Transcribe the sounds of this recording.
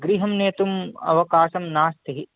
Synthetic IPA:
ɡɾiɦɐmneːt̪umɐ̰ʋɐkaːʃɐmnaːst̪iɦi

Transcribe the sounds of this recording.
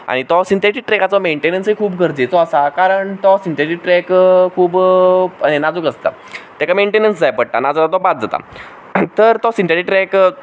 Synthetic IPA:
a̰ɽ̃it̪ɔsint̪ʰeʈik̚ʈɾɛkat͡sɔmeɳʈenənsɦikʰuːbɡʱəɾd͡ʑet͡sɔəsakaɾəɳt̪ɔsint̪eʈik̚ʈɾɛkkʰuːbənenad͡zukəst̪a̰ | t̪akameɳʈenənsd͡zajpəɽʈa̰nad͡zat̪at̪ɔbat̪̚d͡zat̪a̰ | t̪əɾt̪ɔsint̪eʈikʈɾɛk

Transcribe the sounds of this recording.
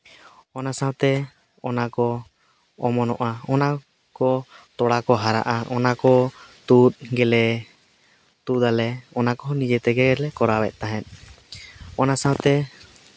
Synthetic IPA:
ɔnasawt̪ɛ | ɔnakɔ | ɔmɔnɔʔaɔna | kɔt̪ɔɽakɔɦaɾa̰ʔaʔɔnakɔt̪ut̪̚ɡɛlɛ | t̪ud̪alɛɔnakɔnid͡ʒɛt̪ɛɡɛɡɛɾlɛkɔɾawɛt̪̚ˀt̪aɦɛt̪̚ | ɔnasãwt̪ɛ

